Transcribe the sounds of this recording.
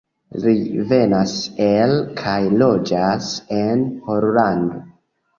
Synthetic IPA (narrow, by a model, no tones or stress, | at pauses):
live̞naselkʰajlo̞d͡ʒase̞nhoɾlando